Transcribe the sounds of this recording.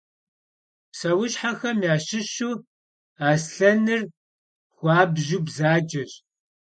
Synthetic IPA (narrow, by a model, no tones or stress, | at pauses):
sɐwʊɕħaxɐmjaːɕɪɕuː | aːsɬɐnɨr | xʷɑːbʒuːbzaːd͡ʒɐɕ